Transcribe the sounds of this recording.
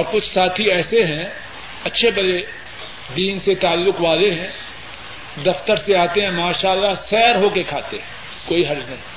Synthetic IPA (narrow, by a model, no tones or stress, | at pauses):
ɔːɾkʊt͡ʃʰsaːt̪ʰiɛːseɦɛ̃ | ɐtːʃʰebɐle | d̪iːnset̪aːlːʊkʋaːleɦɛ̃ | d̪ɐft̪əɾseaːt̪eɦɛ̃maːʃaːlːasɛːɾɦokekʰaːt̪ḛɦɛ̃ː | koːiɦɐɾd͡ʒnɐɦĩː